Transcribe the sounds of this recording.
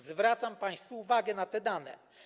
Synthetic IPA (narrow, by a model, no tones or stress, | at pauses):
zvɾat̪sampãj̃st̪fuːvaɡɛnat̪ɛd̪anɛ̰